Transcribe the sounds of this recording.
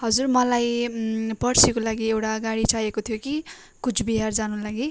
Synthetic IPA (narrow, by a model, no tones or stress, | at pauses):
ɦʌd͡zurmʌlajpʌrsikolaɡiewʈaɡaɽit͡sajekot̪ʰijoki | kut͡sʰbiɦard͡zanũlaɡi